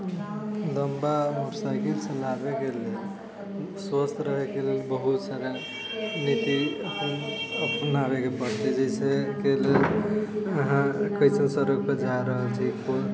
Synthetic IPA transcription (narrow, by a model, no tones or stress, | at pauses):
ləmbamoʈsajkelsənabekele | swəst̪ʰɾəɦekelelbəɦut̪saɾa | nit̪iəpənəpənabekepəɾt̪ed͡ʒesekelel | əɦãkəɪsənsəɾəɡ̚ped͡ʒaɾəɦəlt͡ʃʰiko